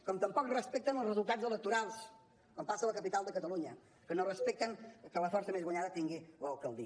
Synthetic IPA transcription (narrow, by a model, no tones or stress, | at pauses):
kɔmt̪əmpɔkrəspɛk̚t̪ənəlˠzrəzulˠt̪azələk̚t̪uɾalˠs | kɔmpasələkəpit̪alˠd̪əkət̪əluɲə | kənorəspɛk̚t̪əŋkələfɔɾsəmezɣwəɲaðət̪iŋɡiləlˠkəlˠd̪i